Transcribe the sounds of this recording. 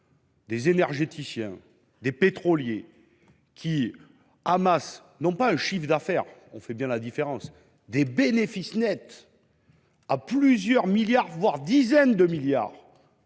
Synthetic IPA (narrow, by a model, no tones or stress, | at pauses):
d̪ezenɛʁʒet̪isjɛ̰̃ | d̪epet̪χɔlje | kʰʲi | amas | nɔ̃paɛ̃ʃifd̪afɛʁɔ̰̃fɛbjɛ̃lad̪ifeʁɑ̃s | d̪ebenefisnɛt̪ | aplyzjœʁmiljaʁvwaʁd̪izɛnd̪əmilja̰ːʁ